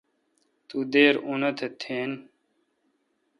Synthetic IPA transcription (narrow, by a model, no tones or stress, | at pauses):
t̪ud̪eːɾunɐt̪ʰet̪ʰeːn